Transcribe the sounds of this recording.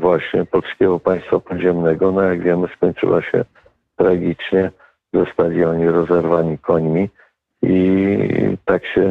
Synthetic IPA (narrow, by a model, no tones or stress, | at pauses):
vwaɕɲɛ̰pɔlskʲɛɡɔpaj̃st̪fapɔd̪ʑɛmnɛɡɔnajaɡvʲjɛmɘskɔɲt͡ʂɨ̰waɕɛ̰ | t̪ɾaɡʲit͡ʂɲɛ | zɔst̪alʲiɔɲiɾɔzɛɾvaɲikɔɲmʲi | i | t̪akɕɛ